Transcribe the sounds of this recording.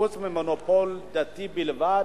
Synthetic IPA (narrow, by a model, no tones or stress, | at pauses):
osmɛmɔnopɔld̪at̪ibilva